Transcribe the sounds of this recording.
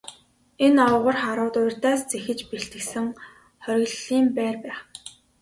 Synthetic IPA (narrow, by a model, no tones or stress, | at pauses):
enɔwʁə̆rχaɾʊːt̪ʊjr̥ʲt̪aːst͡sexɘ̆t͡ɕpeɬt̪ɘ̆ksɘ̆ŋ | χœɾʲɣ̆ɮiːmpæːrpæːχ